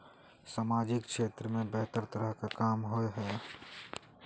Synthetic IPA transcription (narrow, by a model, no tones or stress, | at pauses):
saːmaːd͡ʒɪkʃeːt̪ɾəmẽbɛɦt̪əɾt̪əɾəɦkakaːmɦoeɦɛː